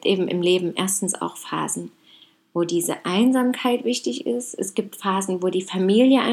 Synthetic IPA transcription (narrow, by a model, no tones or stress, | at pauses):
tʔeːbm̩ʔɪ̰mleːbm̩ʔḛːɐstn̩sa̰ʊxfa̰ːzn̩ | voːdiːzə̰ʔaɪnzaːmkʰaɪtv̥ɪçtɪçɪ̰stʔɛsɡ̥iːp̚tfaːzn̩voːdiːfamiːljəʔa̰